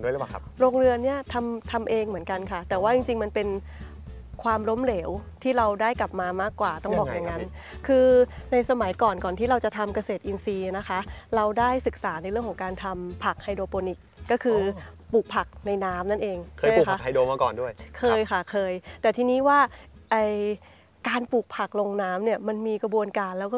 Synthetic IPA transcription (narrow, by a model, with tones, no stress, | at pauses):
du˥˩jla˨˩˦ | ɾoː˧ŋɾɯ˧ənːi˥˩ɐt̪ʰa˧mt̪ʰa˧mʔeː˧ŋmɯ˩˦ənka˧nkʰa˥˩t̪ɛː˨˩waː˥˩t͡ɕi˧ŋt͡ɕi˧ŋma˧npe˧n | kʰwaː˧mɾo˦˥mleː˩˦wt̪ʰiː˥˩ɾa˧wdaː˥˩jkla˨˩p̚maː˧maː˥˩kːwaː˨˩t̪ɔ˥˩bɔː˨˩kja˨˩ŋːa˦˥nn | kʰɯː˧na˧jsa˧ma˨˩˦jkɔː˨˩nkɔː˨˩nt̪iː˥˩ɾa˧wt͡ɕa˨˩t̪ʰa˧mka˧seː˨˩t̪ʔi˧nsiː˧na˦˥kʰa˦˥ʔɾa˧wdaː˥˩jsɯ˨˩k̚saː˩˦na˧jɾɯ˥˩əŋkɔ˩˦ŋkaː˧nt̪ʰa˧mpʰa˨˩k̚ha˧jdoː˧poː˧ni˨˩kːɔː˥˩kʰɯː˧puː˨˩k̚pʰa˨˩k̚na˧jnaː˦˥mna˥˩nʔeː˧ŋt͡ɕʰaː˥˦˩kʰa˦˥a˧jdoː˧maː˧kɔ̰ː˨˩ndu˥˩əjkʰɤː˧jkʰa˥˩kʰɤː˧jt̪ɛː˨˩t̪ʰiː˧niː˦˥waː˥˩ʔaː˧˩j | kaː˧npuː˨˩k̚pʰa˨˩k̚lo˧ŋnaː˦˥mni˥˩ɐma˧nmiː˧kɾa˧bu˧ənkaː˧nlɛː˦˥wkɔː˥˩